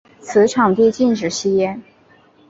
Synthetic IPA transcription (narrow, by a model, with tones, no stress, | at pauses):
t͡sʰɹ̩˧˥ʈ͡ʂʰɑ˨˩ŋt̪i˥˧t͡ɕi˥˩nʈ͡ʂɻ̩˨˩ɕi˥jɛ˥˩n